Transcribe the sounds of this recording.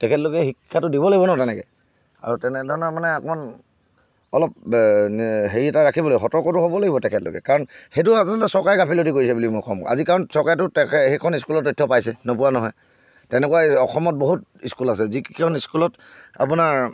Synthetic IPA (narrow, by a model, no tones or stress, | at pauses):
tɛkʰɛtlokɛxikʰːatʊdibɔlaɡibɔnɔɦɔtɛnɛkɛ̰ | a̰ɹutɛnɛdʱɔɹɔnamanɛapman | ɔlɔp̚ | ɦeɹiɛtaɹakʰibɔljxɔtɔɹkɔtʊɦobɔlaɡibɔtɛkʰɛtlo̰kɛ̰kaɹɔnxejtʊazɔlɔtɛsɔɹkajɡapʰilotikoɹisɛbulimʊɹkɔ̰ma̰zikaɹɔnsɔɹkajtʊtɛhekʰɔniskulɔtːɔtʰːɔpajsɛnopuwanɔɦɔj | tɛnɛkwaɔxɔmɔt̚boɦut̚iskulasɛzikiɔniskulɔt | a̰p̬unaɹ